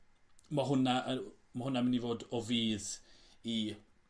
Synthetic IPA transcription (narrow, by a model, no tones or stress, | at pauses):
maɦʊna | mahʊnamɪnivoːdɔviːð | i